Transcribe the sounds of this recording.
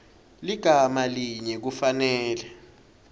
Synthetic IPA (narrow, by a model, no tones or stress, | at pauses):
liɡ̥ʱamaliɲɛk̬ufanɛːlɛ